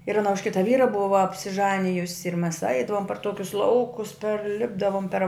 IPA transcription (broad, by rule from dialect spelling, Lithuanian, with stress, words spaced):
ɪr ɐˈnɐ ʊʃ ˈkʲɪtɐ ˈʋʲiːrɐ ˈbʊʋɐ ɐpʲsʲɪˈʒɑːnʲɪjʊsʲɪ ɪr mʲɛs ˈɐɪdɐʋoːm pɐr ˈtoːkʲʊs ˈlˠɐʊkʊs pʲɛrʲˈlʲɪbdɐʋoːm pʲɛr